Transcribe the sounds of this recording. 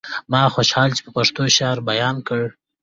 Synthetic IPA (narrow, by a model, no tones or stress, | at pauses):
mɑxoʃhɑlt͡ʃe̥pəpaʂt̪oʃɑɾbajɑnkəɽ